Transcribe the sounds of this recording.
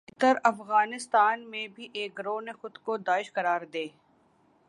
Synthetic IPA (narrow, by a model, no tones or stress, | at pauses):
t̪əɾɐfɣaːnɪst̪aːnmẽbʱiʔeːkɾoːnexʊd̪kod̪aːɪʃqɐɾaːɾd̪eː